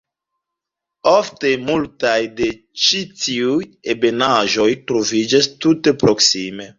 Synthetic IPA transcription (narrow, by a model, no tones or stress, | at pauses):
ofte̞multajde̞ | t͡ʃitiujebe̞naʒo̞jtɾo̞vid͡ʒastute̞pɾo̞ksime̞